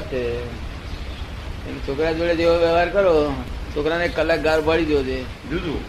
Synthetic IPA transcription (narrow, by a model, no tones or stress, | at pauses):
t͡ʃe | ekt͡ʃʰokɾad͡ʒeɭed͡ʒeoʋjəʋaɾkəɾot͡ʃʰokɾanekːəlakɡaɾbʱəɭid̪jod͡ʒʰe | d͡ʒud͡ʒu